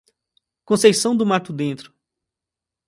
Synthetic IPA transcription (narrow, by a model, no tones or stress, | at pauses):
kõsejsɐ̃w̃d̪ʊmaɾt̪ʊd̪ẽnt̪ɾʊ